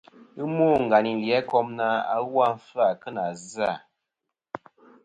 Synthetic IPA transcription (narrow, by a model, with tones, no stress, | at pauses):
ɨ˦moː˦˨ŋ̩˨ɡa˨ni˨n˨ljɛ˨˦kɔ˦mna˦a̰˦ɣwa˦ɱ̩˦fɨ˦a˨kɨ˦na˨za˦˨